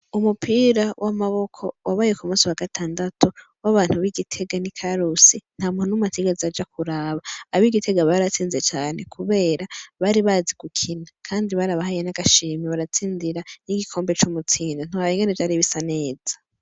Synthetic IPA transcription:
umupʰiɾawʔamaβo̞kʰo̞waβajekumuːsiwaɡatʰaːndatʰu | waβaːn̥huβiɡitʰe̞ɡanikʰaɾusin̥haːmunonumatʰeɡeziad͡ʒakuɾaβaːβiɡitʰe̞ɡaβaɾat͡siːnzet͡ʃaːne̞kʰuβe̞ːɾaβaɾiβaːziɡ̥ukʰinakʰaːndiβaɾaβahajenaɡ̥aʃiːmiβaɾat͡siːndiɾaniɡikʰo̞ːmbe̞t͡ʃumut͡siːndon̥uhajiŋɡenevd͡ʒaɾiβisane̞ːzḁ

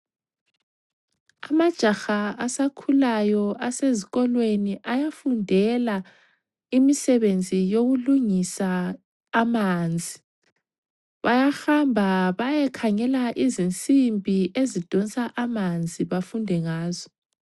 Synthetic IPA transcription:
amad̥ʒ̥ʱaxaasakʰulajɔaseziɣɔlweniʔajafundʱɛla | imisɛβend͡zʱijoɣuluŋisaː | mand͡zʱi | βajaxambʱaβajɛkʰaŋɛlaʔizint͡sʼimbʱiʔezid̥ʱɔnt͡sʼaʔamand͡zʱiβafundʱɛŋaːzɔ

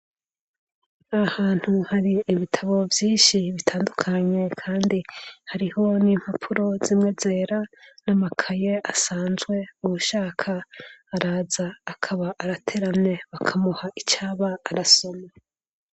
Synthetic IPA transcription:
ahaːn̥huhaɾiːβitʰaβo̞vjiːnʃiβitʰaːndukʰaɲe̞kʰaːndihaɾiho̞niːm̥hapʰuɾo̞zimŋeze̞ːɾanamakʰaje̞ʔasaːnzɡwe̞uβuʃaːkʰaːɾaːzaːkʰaβaʔːɾatʰeɾanne̞βakʰamuhaʔit͡ʃaːβaːɾaso̞ma

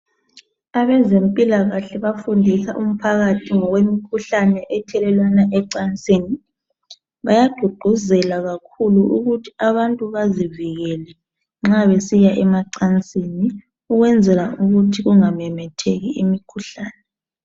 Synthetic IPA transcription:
aβɛzempʼilaɣaɬɛβafundʱisaʔum̩pʰaɣatʰiŋɔɣwemikʰuɬanɛʔɛtʰɛlɛlwanaʔɛǀant͡sʼiːni | βajad̥ʱuɡ͡ǃ̥ʱuzɛlaɣakʰuluʔṵɣutʰi̥aβantʼuβaziviɣɛlɛ | ŋ͡ǁaβesijaʔɛmaǀant͡sʼini | uɣwɛnd͡zʱɛlauɣutʰiɣuŋamɛmɛtʰeɣiimikʰuɬaːnɛ

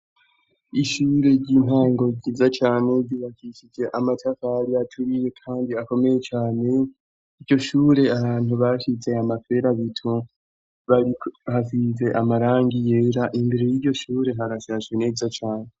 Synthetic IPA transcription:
iʃuːɾe̞ɾɟiːnaːŋɡo̞ɟizat͡ʃaːne̞bɟuːβakiʃid͡ʒe̞ʔamatʰakaɾiatʰuɾije̞kʰaːndiako̞me̞je̞t͡ʃaːne̞ | iɾɟo̞ʃuːɾe̞aβaːn̥huβaʃit͡se̞amafe̞ɾaβitʰu | βaɾihavize̞ʔamaɾaːŋɡije̞ːɾaʔimbeɾe̞jiɾɟo̞ʃuːɾe̞ɦaɾaʃaʒɡene̞ːzat͡ʃaːne

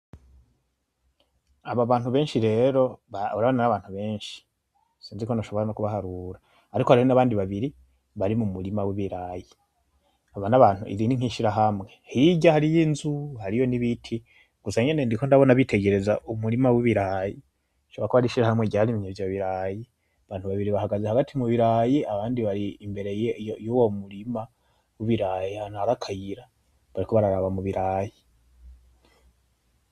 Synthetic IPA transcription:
aβaβaːn̥huβe̞ːnʃiɾe̞ːɾo̞βaβuɾaβananaβaːn̥huβe̞ːnʃi̥ | siːnziko̞naʃo̞βo̞ɾano̞kuβahaɾuɾaː | ɾikoaihonaβaːndiβaβiɾi | βaɾimumuɾimawiβiɾaji | aβanaβaːn̥uʔḭɾiːndiŋ̥hiʃiɾaɦamŋe̞hiiɟahaɾijinzuhaɾijo̞niβitʰi | ɡ̥usaɲe̞ne̞ndiko̞ndaβo̞naβitʰe̞ɡe̞ɾe̞zaʔumuɾimawiβiɾaːje | ʃoɾakohaɾiʃiɾahamŋeɟahaɾimiɲevjaβiɾaːje | aβaːnhuβaβiɾiβahaɡazehaɡatʰimuβiɾaːjeaβaːndiβaɾiːmbe̞ɾe̞jowomuɾima | wiβiɾaːjehanhaɾakʰajiɾa | βaɾikʰo̞βaɾaɾaβamuβiɾaːje

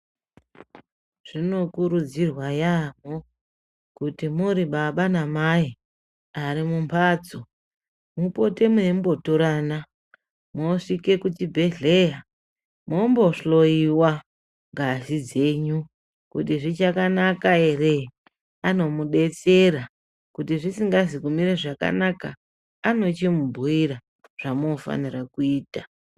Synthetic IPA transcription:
ʐ̥ino̞kuɾud͡zirwajamo | kutimuɾiɓaɓanamai | aɾimumpʰaːt͡so | mupo̞te̞muembo̞toɾana | moʂike̞kut͡ʃibʱe̞ɮe̞ja | mo̞mbo̞ʂo̞iwa | ŋɡazid͡ze̞ːɲu | kutiʐit͡ʃakanakae̞re | ano̞muɗe̞t͡seɾa | kutiʐisiŋɡazikumiɾaʐaka̰nakaː | no̞t͡ʃimubʱuiɾa | ʐ̥amofa̰nirakuiːta

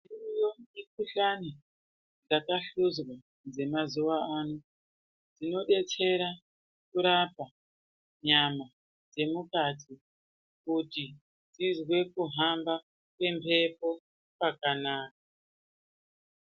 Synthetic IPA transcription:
irujoik̚uɬani | d͡zakaɬuzwa | d͡ze̞mazuwaanu | d͡zino̞ɗe̞t͡se̞ɾa | kuɾapa | ɲama | d͡ze̞mukatʰi | kuti | d͡zizwe̞kuɦamba | kwe̞mpʰe̞po̞ | pakanaːk̚a

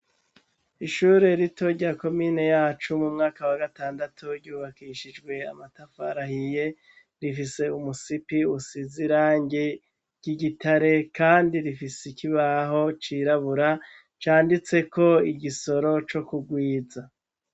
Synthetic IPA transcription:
iʃuɾe̞ɾitʰo̞ɾɟaːko̞miːne̞jaːt͡ʃumumŋaːkawaɡataːndatʰuɾɟuːβakiʃid͡ʒɡwe̞amatafaɾahije̞ | ɾifise̞umusipiusiziɾaːɲɟe | ɟ̥iɟitʰaɾe̞kaːndiɾifisekiβaɦo̞t͡ʃiɾaβuɾa | t͡ʃaːndit͡se̞ko̞iɟiso̞ɾo̞t͡ʃo̞kuɡwiːza

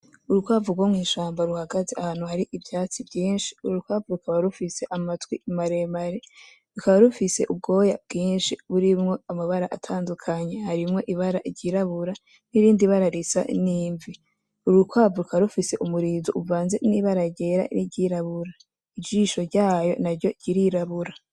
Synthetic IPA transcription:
uɾukwaːvuɡwomŋiːʃaːmbaɾuhaɡazeahaːn̥huhaɾiʔivjaːt͡sibɟiːnʃi̥uɾuukwavuɾukʰaβaɾufise̞ʔamatwimaɾemaɾe | ɾukaβaɾufise̞ʔub̚ɡo̞ːja̰b̚ɡiːnʃiβuɾimŋo̞amaβaɾaʔatʰaːndukʰaɲe̞haɾimŋo̞ʔiβaɾaʔiɟiɾaβuɾa | niɾiːndiβaɾaɾisa̰niːɱvi | uɾukwaːvuɾukaβaɾufise̞ʔumuɾiːzuʔuvaːnzeniβaɾaɟe̞ɾa̰niɟiɾaβuɾa | id͡ʒiːʃo̞ɾɟaːjo̞̰naɾɟo̞ɟiɾiɾaβuɾa

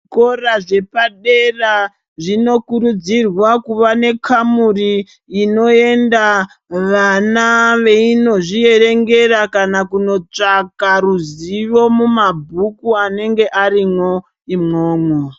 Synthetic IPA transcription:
ko̞raʐe̞paɗe̞ra | ʐino̞kuɾud͡zirwakuʋane̞kʰamuriː | no̞e̞nda | ʋanaʋe̞ino̞ʐie̞re̞ŋɡe̞rakanakuno̞t͡ʂakaɾuziʋo̞mumabʱukuane̞ŋɡe̞ʔaɾimwo̞ | imŋoːmwo

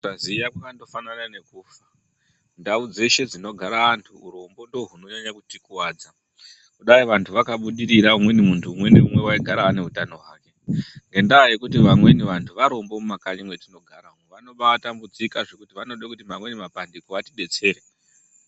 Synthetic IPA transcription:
tazijakwakando̞fananane̞kuːfa | ndaud͡ze̞ʃe̞d͡zino̞ɡʱaɾaʋantʰuːɾo̞mbo̞ndoɦuno̞ɲaɲakutikuwaːd͡za | kuɗaiʋantʰuʋakaɓuɗiɾiɾaumwe̞nimuntʰuːmwe̞niumwe̞waiɡʱaɾaːne̞ɦutano̞ɦwaːke̞ŋɡe̞ndaːje̞kut̬iʋamwe̞niʋantʰuʋaɾo̞mbo̞mumakaɲimwetino̞ɡʱaɾaumʋano̞ɓaatambud͡zikaʐe̞kutiʋanoɗakutimamwe̞nimapandikoatiɓe̞t͡se̞ːɾe

